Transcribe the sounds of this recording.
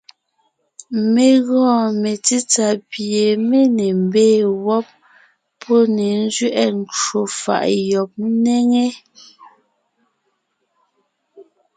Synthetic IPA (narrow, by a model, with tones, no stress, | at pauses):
me˨ɣɔ̃ː˦˨me˨t͡si˦t͡sa˨pje˨me˦ne˨m̩˨beː˦˨wɔ˦p̚ːʰ | ɔ˦ne˨n̩˦zɥɛ˦ʔɛ˦n˨t͡ʃo˨fa̰˨ʔjɔ˨p̚nɛ˦ŋe˦